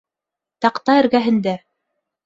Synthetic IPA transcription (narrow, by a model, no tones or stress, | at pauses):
t̪ɑqt̪ɑɘ̆ɾɡæɦɘ̆nd̪æ